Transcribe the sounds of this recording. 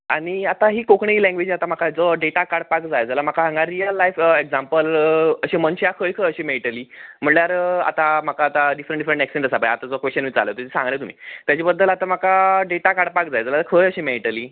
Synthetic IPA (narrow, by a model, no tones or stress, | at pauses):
a̰ɽ̃iat̪aɦiːkokɳiːlɛ̃ŋɡʋed͡ʑiːat̪am̤akad͡zɔɖeʈakaɽpakd͡zajd͡zalamakaɦãŋɡaɾijəlːajfekd͡zampələɕiːmənɕiakʰəjkʰəjəɕiːmeʈəliːm̤əɳljaɾa̰t̪am̤akaːt̪aɖifɾəɳɖifɾəɳʈɛksʈẽɳʈəsapajat̪ad͡zkʋest͡ɕənʋiːt͡sa̰let̪et̪esãŋɡlet̪um̤ḭːt̪jat͡ɕibəd̪ːəlat̪am̤akaɖeʈakaɽpakd͡zajd͡zalat̪akʰəjəɕiːmeʈəliː